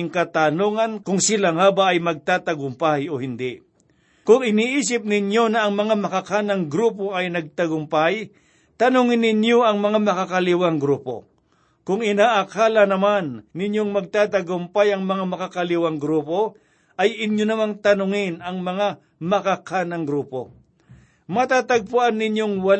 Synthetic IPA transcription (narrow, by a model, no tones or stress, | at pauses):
ŋkɐt̪anoːŋɐnkʊŋsɪlaŋaːbaʔɐjmɐɡ̚t̪aːt̪ɐɡʊmpajohɪnd̪ɪ | kʊŋɪniʔiːs̬ɪp̚nɪɲjo̞nɐːŋmɐŋamɐkakanːɐŋɡɾuːp̬o̞ʔɐjnɐɡ̚t̪ɐɡʊmpaj | t̪ɐnʊŋɪnːɪɲjo̞ʔɐŋmɐŋamɐkakɐlɪwaŋɡɾuːpo̞̰ | kʊŋɪnaːʔɐkaːlɐnɐmanːɪɲjoŋmɐɡ̚t̪aːt̪ɐɡʊmpajɐŋmɐŋamɐkakɐlɪwaŋɡɾuːpo̞ | ʔɐjɪɲjonɐmant̪ɐnʊŋɪnɐŋmɐŋa | mɐkakʰanɐŋɡɾuːpo̞̰ | mɐt̪aːt̪aɡ̚pʊʔanːɪɲjo̞ŋwɐl